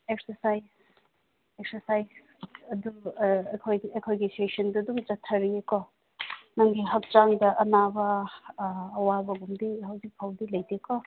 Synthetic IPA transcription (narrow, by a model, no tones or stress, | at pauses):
ek̚sɐɾsajs | eksɐɾsajs | ɐdukʰojejkʰojɡisesɐndudumd͡ʒɐtʰːɐɾieko | nɐŋɡiɦɐk̚t͡ʃaŋdɐʔɐnabɐː | wabɐɡumdiɦɐwzik̚pʰawdilɐjdekɔ